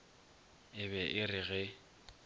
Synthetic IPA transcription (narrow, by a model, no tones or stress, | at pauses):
ɪβɛʔɪrɪɣɛ